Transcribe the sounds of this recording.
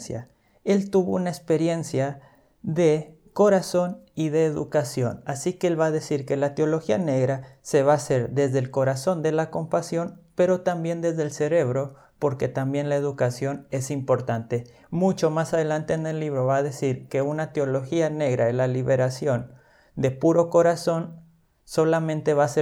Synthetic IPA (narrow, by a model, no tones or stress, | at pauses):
sja | e̞lt̪uβounaekspe̞ɾje̞nsja | ðe̞ | ko̞ɾaso̞niðe̞ːðṵkasjo̞̰nasikeelβaːðe̞siɾke̞lat̪eo̞lo̞xiane̞ɣɾase̞βaːse̞ɾðe̞zðelko̞ɾaso̞nd̪e̞lako̞mpasjo̞npe̞ɾo̞t̪ambje̞nd̪e̞zðelse̞ɾe̞β̞ɾo̞ | po̞ɾke̞t̪ambje̞nlae̞ðukasjo̞ne̞simpo̞ɾt̪ant̪e̞ | mut͡ʃo̞masað̞e̞lant̪e̞ːne̞lːiβɾo̞βaːðe̞siɾke̞unat̪eo̞lo̞xiane̞ɣɾaelaliβe̞ɾasjo̞n | d̪e̞puɾo̞ko̞ɾaso̞n | so̞lamẽ̞nt̪e̞βase